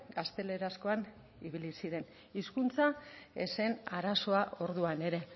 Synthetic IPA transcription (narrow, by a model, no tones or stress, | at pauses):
ɡast̪e̞le̞ɾasko̞an | iβilisiɾe̞n | iskunt͡saḛse̞naɾaso̞aʔo̞ɾðuane̞ɾe̞